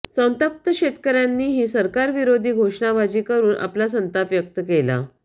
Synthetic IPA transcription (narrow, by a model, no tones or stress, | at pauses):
sə̃wnt̪əp̚t̪əɕet̪kəɾjanːiːɦiːsəɾkaɾʋiɾod̪ʱiːɡʱoʂɳabʱad͡ʑiːkəɾuːnʔa̰plas̬ənt̪apjək̚t̪əkela̰